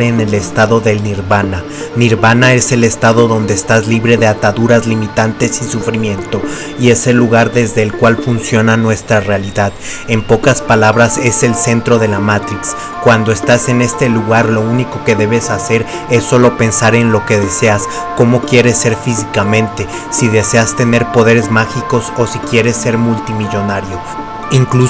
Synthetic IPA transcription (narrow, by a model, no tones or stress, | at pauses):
ɾenele̞st̪aðo̞ðe̞lniɾβana | niɾβanae̞se̞le̞st̪aðo̞ðo̞nd̪eːst̪azliβɾe̞ðe̞at̪aðuɾazlimit̪ant̪e̞sisufɾimjẽ̞nt̪o̞ | ie̞se̞lːuɣ̞aɾðe̞zðe̞ːlkwalfunsjo̞nanwe̞st̪ɾarealiðað | e̞mpo̞kaspalaβɾase̞se̞lse̞nt̪ɾoð̞e̞lamat̪ɾiks | kwand̪o̞e̞st̪ase̞ne̞st̪e̞luɣaɾlo̞uniko̞ke̞ðe̞βe̞sase̞ɾ | e̞sːo̞lo̞pe̞nsaɾe̞nlo̞ke̞ðe̞se̞as | ko̞mo̞kje̞ɾe̞sːe̞ɾfis̬ikamẽ̞nt̪e̞ | siðe̞se̞ast̪e̞ne̞ɾpo̞ðe̞ɾe̞zmaxiko̞so̞sikje̞ɾe̞sːe̞ɾmult̪imiʝo̞naɾjo̞ | iŋklu